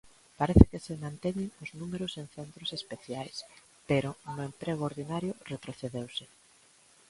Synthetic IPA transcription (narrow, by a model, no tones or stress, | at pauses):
paɾɛθɪkɪsɪmãnt̪eɲɪŋʊznumeɾʊseŋθent̪ɾʊsespeθjajs | peɾʊnʊempɾeɣooɾðinaɾjʊret̪ɾoθeðewsɪ